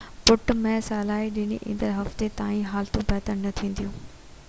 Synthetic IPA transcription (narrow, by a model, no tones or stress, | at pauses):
pʊʈmɛ̃ːsaːlaːɦiɗɪñḭʔḭ̃ːnd̪əɾɦɐft̪et̪aːĩɦaːlt̪ũpɛːt̪ənnɐt̪ʰĩːnd̪ijũː